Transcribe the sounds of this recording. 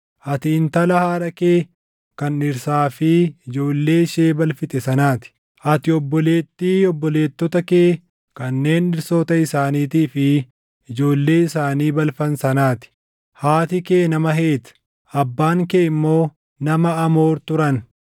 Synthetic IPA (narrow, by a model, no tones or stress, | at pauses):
ʔɐt̪ɪːnt̪ɐlɐhaːɾɐkeː | kɐnɪɾsaːfɪɪd͡ʒo̞ːlːe̞ːʃeːbɐlfɪt̪ʼɛsɐnaːt̪ɪ̥ | ʔɐt̪ɪɔbːɔle̞ːt̪ːiːɔbːɔle̞ːt̪ːɔt̪ɐkeː | kɐnːe̞ːnɪɾsoːt̪ɐɪsaːniːt̪iːfɪ | ɪd͡ʒo̞ːlːe̞ːɪsaːniːbɐlfɐnsɐnaːt̪ɪ̥ | haːt̪ɪke̞ːnɐmɐɦe̞ːt̪ | ɐbːaːŋkeːɪmːo̞ː | nɐmɐɐmo̞ːɾt̪ʊɾɐn